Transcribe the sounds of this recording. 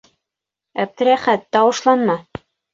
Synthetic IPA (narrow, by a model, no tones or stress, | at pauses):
æp̚t̪ɘ̆ɾæχæt̪ːɑwɤ̆ʃlˠɑnmɑ